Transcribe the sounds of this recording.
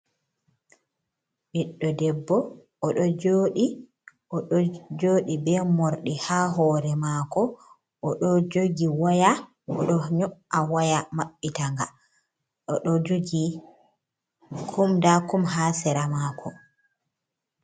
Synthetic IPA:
biɗːɔdɛbːɔː | ɗɔd͡ʒoɗi | ɔɗɔd͡ʒoːɗibɛmoɾɗihaːɦɔːɾɛmaːkɔ | ʔɔɗɔd͡ʒoɡiwaja | ɔ̰ɗɔɲɔʔawajamaɓːitaŋɡa | ɗɔɗɔd͡ʒoɡi | kʰumdakumɦaːsɛɾamakʰɔ

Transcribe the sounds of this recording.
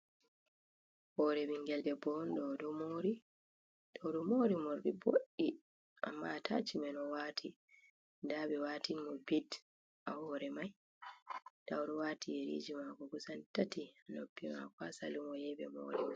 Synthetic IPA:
hɔɾɛmiŋɡɛldɛbɔndɔdɔmoɾi | d̥awɾɔmoɾimɔɾbɛboʔːi | ʔa̰mːatʰa̰t͡ʃimɛnɔwaːtʰi | ndabɛwaːtinmɔbid | ʔahɔːɾɛmaj | d̥awɾɔwaːtʰijeɾḭd͡ʒimakɔɡusantatianobːima̰kɔasa̰limɔjɛbɛ̰mo̰ɾi

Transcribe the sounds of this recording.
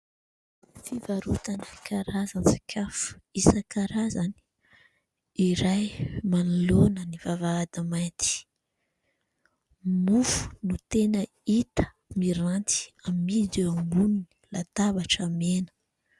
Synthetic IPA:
fivaɾut̪anəkʰaɾazansi̥kʰʲafu̥isakaɾazani̥ | iɾajmanulonənivavaːd̪amajt̪i̥ | mufu̥nut̪enə | it̪ə̥ | miɾant̪i̥ammid̪uambunni̥lat̪abaʈ͡ʂamenə̥

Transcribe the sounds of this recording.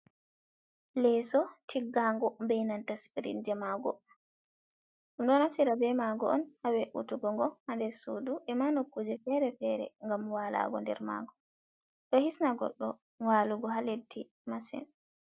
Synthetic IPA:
lɛsɔtʰiɡːaŋɡɔmbɛjnantaspiɾḭnd͡ʒɛmaɡɔ̰ | ɗumɗɔnafsiɾabɛmaɡɔɔnhawɛʔṵtuɡɔŋɡɔhandɛsuduʔɛmanokːud͡ʒɛfɛɾɛfɛɾɛ̰ŋɡamwala̰ɡɔ̰ndɛ̰ɾma̰ɡɔ | ɗɔhisnaɡɔ̰ɗːɔ | waluɡɔɦaledːi | masɛ̰n

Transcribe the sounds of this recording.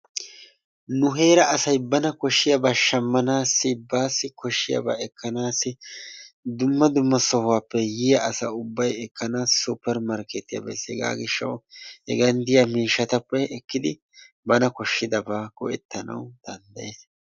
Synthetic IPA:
nʊɦe̞ːɾɐːsɐjbɐnɐkɔʃːɪjɐbaːʃɐmːɐnaːsːɪbaːsːɪkɔʃːɪjɐ̰ba̰ːɛkʰːɐnaːsːɪ | d̪ʊmːɐd̪ʊmːɐsɔhʊwaːpːɛjɪjɐʔɐsɐ̰ʊbːɐjɛkʰːɐnaːsupːɛɾmɐɾkɛt̪ːɪjɐ̰ːbɛ̰sɛɡa̰ːɡɪʃːɐ̰whɛɡɐnd̪ɪjamiːʃːɐt̪ɐpːɛːkːɪd̪ɪ | bɐnɐkɔʃːɪd̪ɐbaːkɔʔɛt̪ːɐnɐ̰wd̪̥ɐnd̪ɐjeːs

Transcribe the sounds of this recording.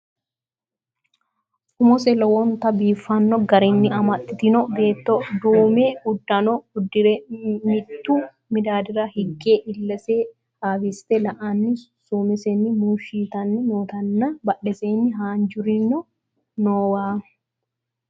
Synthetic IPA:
ʔʊmɔsɛlɔwɔnt̪ɐbiːfːɐnːɔɡɐɾɪnːɪɐmɐt̪ːɪt̪ɪnɔbe̞ːt̪ːɔd̪uːmeʊd̪ːɐnɔʊd̪ːɪɾɛmɪt̪ːuː | mɪd̪aːd̪ɪɾɐhɪɡːeːʔɪlːɐseː | aːbɪst̪ɛlɐʔɐnːɪsumɛsɛnːɪmuːʃiːt̪ɐnːɪmoːt̪ɐnːɐbɐᶑɛseːnːɪɦaːnd͡ʒʊɾinɔ | noːwaː

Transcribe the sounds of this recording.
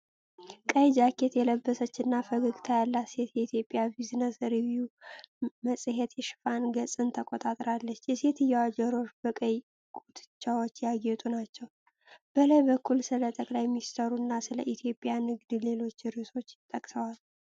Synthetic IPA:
kʼəjd͡ʒakʰːe̞t̪jɛləbːəsət͡ʃːɨnːafəɡɨɡʼt̪ʰajalːasjet̪jɛit̪ʰijo̞pʼijabiznəsɾiviju | məsʼɨɦet̪jɛʃɪ̥fanɡəsʼɨnt̪ʰəkʼot̪ʼat̪ʼɾalːət͡ʃːjɛse̞t̪ʰɨjːɛwad͡ʒəɾo̞ʃb̥əkʼəj | kʼut̪ʼɨt͡ʃːawot͡ʃːjaɡjɛt̪ʼunat͡ʃːɛw | b̥əlajbəkʰːulsɨlət̪ʼəkʼlajminst̪ʰəɾunːasɨləʔit̪ʰjo̞pʼɪjanɨɡd̪le̞lo̞t͡ʃːɾɨso̞t͡ʃːjɪt̪ʼːəkʼsəwal

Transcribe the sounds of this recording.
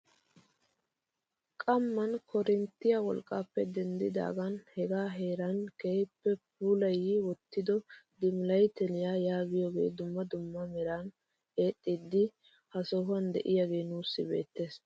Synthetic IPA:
kʼɐmːɐnkʰɔɾɪnt̪ːɪjawɔ̰lkʼːaːpːɛd̪ɛnd̪ɪd̪a̰ːɡɐnhɛɡaːɦe̞ːɾɐnkejpːɛp̚uːlɐjːiwɔt̪ːɪd̪ɔd̪ɪmɪlɐjt̪ɛlɪjaːjaːɡɪjoːɡe̞̰ːd̪ʊmːɐd̪ʊmːɐmɛɾan | e̞ːt̪ʼːɪd̪ːɪ | hɐsɔɦʊɐnd̪ɛ̰ʔɪjaɡe̞ːnuːsːɪbe̞̰ːt̪ːe̞ːs

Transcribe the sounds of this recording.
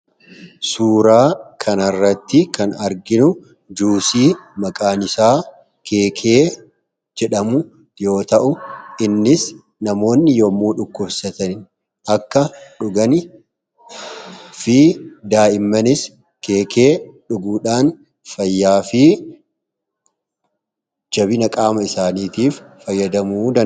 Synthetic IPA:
suːɾaːkʰɐnɐrːɐt̪ːɪkɐnɐɾɡɪnʊ | d͡ʒuːsiːmɐkʼaːnɪsaː | kʰe̞ːkʰe̞ː | d͡ʒɛᶑɐmʊ | jo̞ːt̪ɐʔʊʔɪnːɪs | nɐmo̞ːnːɪjɔmːuːᶑʊkːʊbsɐt̪ɐnɪn | ʔɐkːɐᶑʊɡɐnɪ | fɪd̪aːɪmːɐnɪs | keːkʰe̞ːᶑʊɡuːᶑaːn | fɐjːaːfɪ | d͡ʒɐbɪnɐkʼaːmɐɪsaːniːt̪iːfːɐjːɐd̪ɐmuːd̪ɐ

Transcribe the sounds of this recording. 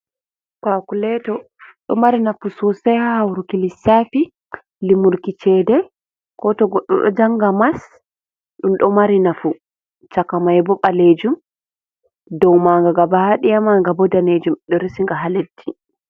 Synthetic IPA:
kakulɛtɔ | ɗɔ̰maɾinafusɔsɛhahawɾukilisafi | limuɾkit͡ʃɛdɛ | kɔtɔɡɔɗːɔ̰ɗɔ̰d͡ʒaŋɡamas | ɗumɗɔmaɾinafu | t͡ʃakamajbɔɓaled͡ʒum | dɔwmaŋɡaɡabahaɗijamaŋɡabɔdaned͡ʒumɗɔɾisiŋɡaɦaledːi

